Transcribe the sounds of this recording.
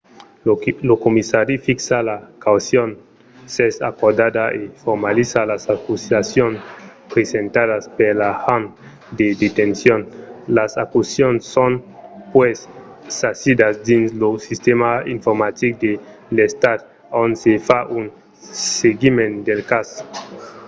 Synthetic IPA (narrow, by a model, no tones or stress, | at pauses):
lokomisaɾifiksalakawsjon | sesa̰koɾd̪ad̪aefoɾmalisalasakusasjonspɾesent̪aðaspeɾlahan | d̪ed̪et̪ensjonlasakusjonsːonpwesː | asid̪asd̪inslosist̪emaiɱfoɾmat̪ik̚d̪e | lest̪ad̪̚ | onsefaʔun | seɡimẽnd̪elkaso̥